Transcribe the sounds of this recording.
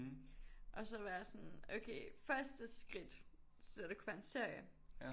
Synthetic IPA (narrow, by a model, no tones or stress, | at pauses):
ʔɒ̽sɒ̽ʋɑjɑsɒnoʊkʰeːfɶɐsd̥əsɡ̥ʁid̥ | ɒd̥ekʰuʋæɐe̝nse̝ɐ̰jə